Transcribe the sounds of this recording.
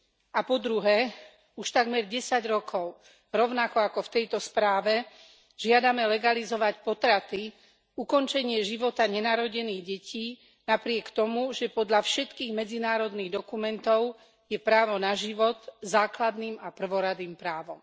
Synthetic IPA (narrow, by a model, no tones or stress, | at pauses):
apɔd̪ɾuɦɛː | uʃt̪aɡmɛɾɟɛsaɟɾɔkʰɔʊ | ɾɔʊnakɔakɔft̪ɛjt̪ɔspɾaːʋɛ | ʒ̥ɪad̪amɛlɛɡalizɔʋacpɔt̪ɾat̪i | ukɔnt͡ʃɛɲɪɛʒiʋɔt̪aɲɛnaːɾɔɟɛniːɣɟɛciː | napɾɪɛkt̪ɔmuʒɛpɔd̪ʎafʃɛt̪kiːɣmɛd͡zinaːɾɔd̪niːɣd̪ɔkumɛnt̪ɔʊ | jɛpɾaːʋɔnaʒiʋɔt̪zaːklad̪niːmapr̩ʋɔɾad̪iːmpɾaːʋɔm